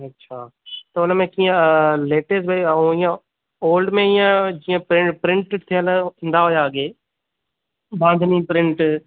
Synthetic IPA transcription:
ɐtːʃʰaːt̪ɐʊnə̃mẽkĩːãleːʈesbʱəiõijã | oːlɖmẽɪjãd͡ʒiːãpɾɪ̃pɾɪ̃ɳʈt̪ʰɪjə̃ləɪ̃nd̪aɦoːjaɡeː | bãːnd̪ʱniːpɾɪ̃ɳʈ

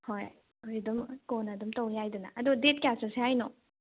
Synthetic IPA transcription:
hoj | ojdumkonɐdumtɐwjajduna̰ːd̪udet̚kjasɐɾseɦajnɔ

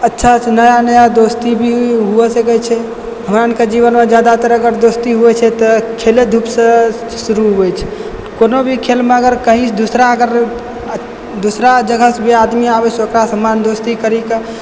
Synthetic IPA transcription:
ətːʃʰat͡ʃʰɛnəjanəjad̪ost̪ibʱiɦuɛsəkɛt͡ʃʰɛ | ɦəmɾanked͡ʒiβənmed͡ʒjad̪at̪əɾəɡəɾd̪ost̪iɦuɛt͡ʃʰɛt̪ɔkʰeled̪ʱupsə̃ | suɾuɦuɛt͡ʃʰɛ̥ | konobʱikʰelmeəɡəɾkəɦit͡ʃʰd̪usɾaəɡəɾ | d̪usɾad͡ʒəɡʱəsbʱiad̪miabɛt͡ʃʰokɾasəmand̪ost̪ikəɾike

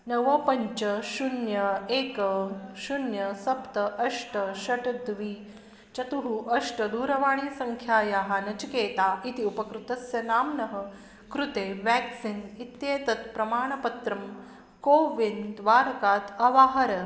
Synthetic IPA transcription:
nɐʋɐpɐɲt͡ʃɐʃunjɐeːkɐʃunjɐsɐpt̪ɐʔɐʂʈɐʃɐʈɐd̪ʋi | t͡ʃɐt̪uɦuʔɐʂʈɐd̪uːɾɐʋaːɳ̃iːsɐŋkʰjaːjaɦanɐt͡ʃikeːt̪aːʔit̪iupɐkɾut̪ɐsjɐnaːmnɐɦɐ̆ | kɾut̪eːʋæːksinit̪jeːt̪ɐt̪̚pɾɐmaːɳ̃ɐpɐt̪ɾɐm | koːʋind̪ʋaːɾɐkaːt̪ɐʋaːɦɐɾɐ

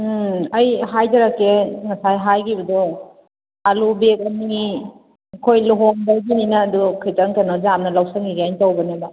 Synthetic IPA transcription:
ɐjɦajdɐɾɐkːeŋɐsajɦajɡibɐdɔ | alubek̚ɐni | kʰojluɦoŋbaɡininɐːdukʰɯjtaŋkɐnad͡ʒamnɐlawsiŋiɾiajntawbɐnebɐ

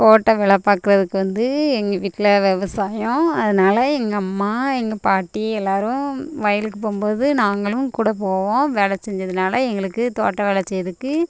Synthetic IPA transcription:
t̪oːʈːɐʋɛɭɐpːaːkːɪɾɐðɯkːɯʋɐnd̪ɯɛŋɡɐʋiːʈːɪlɐʋɛʋɐsaːjʊ̃ɐðɐnaːlɐɛŋɡɐɐmːaːɛŋɡɐpaːʈːiɛlːaːɾɯ̃ʋɐːjɐlɯkːɯpoːmboːðɯnaːŋɡɐɭɯmkuːɽɐp̬oːʋõːʋɛɭɐt͡ʃːɛɲd͡ʒɐðɯnaːlɐɛŋɡɐɭɯkːɯt̪o̰ːʈːɐʋɛɭɐt͡ʃːɐjɐðɯkːɯ

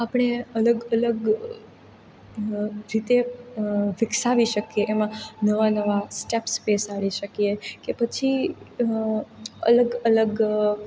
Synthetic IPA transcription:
apɽ̃eələɡələɡ | ɾit̪e | ʋɪksaʋiʃəkijeʔːmãnəʋanəʋasʈepspesaɭiʃəkijekepət͡ʃʰi | ə̰ləɡələɡ

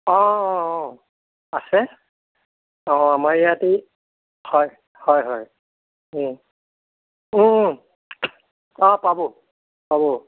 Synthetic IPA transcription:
ɔ̃ | asɛ | ɔ̃amaɹijati | hɔj | hɔjɦɔj̩ | ɔ̃pabɔ | pabɔ

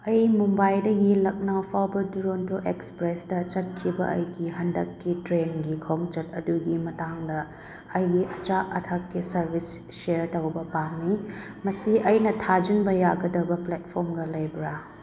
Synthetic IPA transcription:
ɐjmumbajdɐɡilɐk̚nawpʰawbɐduɾontʰuʔekspɾesdɐt͡ʃɐt̚kʰibɐ̰ʔɐ̰jɡiɦɐndɐkːitɾenɡikʰoŋt͡ʃɐt̚ɐduɡimɐtaŋdɐː | jɡiʔɐt͡ʃaʔɐtʰɐkːisɐɾbʱis | ʃeɾtɐwbɐpaŋmi | mɐsiʔɐjnɐtʰad͡ʒinbɐjaɡɐdɐbɐplet̚pʰoɾmɡɐlɐjbɾa

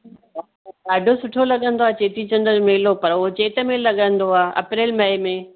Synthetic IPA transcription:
a | aːɖʱosʊʈʰolɐɠə̃nd̪oaːt͡ɕeːt̪it͡ɕə̃nd̪əɾmeːlopɐɾʊɦot͡ɕeːt̪əmelːɐɠə̃nd̪oaːʔɐ̰pɾeːlmɐɪmẽ

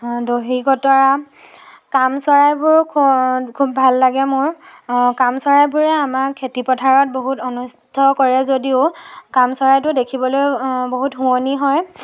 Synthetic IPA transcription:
doɦiɡɔtɔɹa | kamsɔɹajbʊɹkʰkʰubːʱalːaɡɛmʊɹkamsɔɹajbʊɹɛamakʰetipɔtʰaɹɔt̚boɦutɔnus | tʰɔkɔɹɛzodiʊkamsɔɹajtʊdekʰibɔlojboɦutɦũoniɦɔj

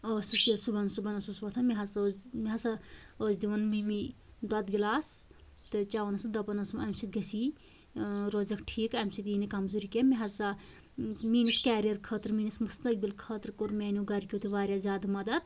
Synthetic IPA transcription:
oːsɐsesubɐnsubɐnɐsusʋɐt̪ʰɐmiɦɐsmiɦɐsɐ | oːzd̪iʋɐnmimi | d̪ɐd̪ɡilaːs | t̪ɨt͡ʃaːʋɐnɐsɨd̪ɐpɐnɐsmɐmsit̪̚ɡɐsiː | ɾoːzɐkʈʰiːkɐmsit̪iːnekɐmzuːɾikʲemiɦɐsa | miːniskɛːɾijɐɾkʰəːt̪ɾmiːnismust̪ɐk̚bilkʰəːt̪ɾkuɾmɛːnʲuɡɐɾkʲuːt̪ʰiʋaːɾʲjazʲjaːd̪mɐd̪ɐd̪

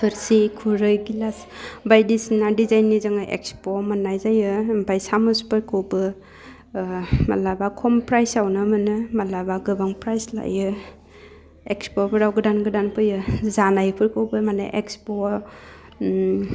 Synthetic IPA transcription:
pʰɯɾsikʰuɾɯjɡilasbajdisinadizajnːizɯŋaʔḛkspomanːajzajɯmbajsamuspʰɯɾkʰɯwbɯ | ma̰labakʰɔmpɾajsawnɯmɯnɯmalabaɡɯbaŋpɾajsla̰jɯ | ekspɔpʰɯɾawɡɯdanɡɯdanpʰɯjɯzanajpʰɯɾkʰɯwbɯmanɯ̰ʔekspo

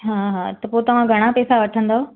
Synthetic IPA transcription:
ɦãːɦãt̪ɐpoːt̪ɐʋ̤ãɡʱɐɽ̃apeːsaʋɐʈʰə̃nd̪aɦoː

